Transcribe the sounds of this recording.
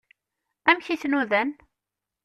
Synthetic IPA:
æmçiθnuðən

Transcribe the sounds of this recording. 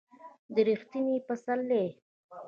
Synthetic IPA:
d̪əɾixt̪inipəsalːe

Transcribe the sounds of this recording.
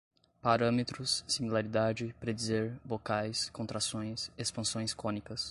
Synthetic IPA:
paɾɐ̃met̪ɾʊsːimilaɾid̪ad͡ʒɪpɾed͡ʒizeɾbokajskõnt̪ɾasõj̃sespɐ̃sõj̃skõnikɐs

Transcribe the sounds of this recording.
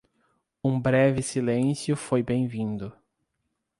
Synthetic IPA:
ũbɾɛvɪsilẽsjʊfojbẽj̃vĩd̪ʊ

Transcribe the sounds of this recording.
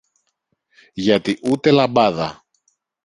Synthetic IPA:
ʝɐt̪iʔut̪e̞lɐbɐðɐ̰

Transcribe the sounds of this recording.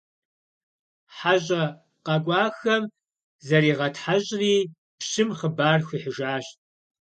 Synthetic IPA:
ħaʑʼɐ | qɑkʷʼɑːxɐm | zɐriːʁɐtħaʑʼriː | pɕɪmχəbaːrxʷiħəʒaːɕ

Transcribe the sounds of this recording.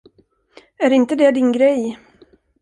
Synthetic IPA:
æɾɪnt̪əd̪ɛd̪ɪnɡɾɛj

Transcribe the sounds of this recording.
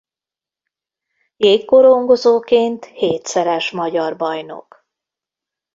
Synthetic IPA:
jeːkkːoɾoŋɡo̞zoːkeːnt̪heːt̪sɛɾɛʃmɒɟɒrbɒjno̰k

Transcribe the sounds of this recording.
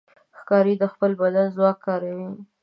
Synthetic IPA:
xkɑɾid̪əxpəlbad̪anzwɑkːɑɾawi

